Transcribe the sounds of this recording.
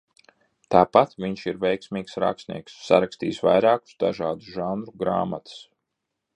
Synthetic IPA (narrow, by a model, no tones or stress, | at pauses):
t̪aːpat̪vʲiɲʃiɾvɛjksmiːksɾa̰ksnʲḭɛksːa̰ɾakst̪ḭːsva̰jɾaːku̥sd̪aʒaːd̪usʒanɾuɡɾa̰ːmat̪u̥s